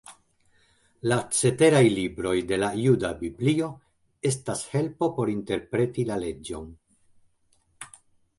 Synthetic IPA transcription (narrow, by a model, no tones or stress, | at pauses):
lat͡se̞te̞ɾajlibɾo̞jde̞lajudabiblio̞ | e̞stashe̞lpo̞po̞ɾinte̞ɾpɾe̞tilale̞d͡ʒo̞̰n